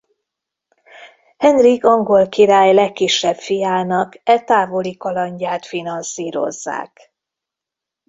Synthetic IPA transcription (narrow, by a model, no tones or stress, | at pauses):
hɛnrikɒŋɡo̞lkiɾaːjlɛkːiʃːɛbfijaːnɒkɛt̪aːvo̞likɒlɒɲɟaːt̪finɒnsiːɾo̞̰zːa̰ːk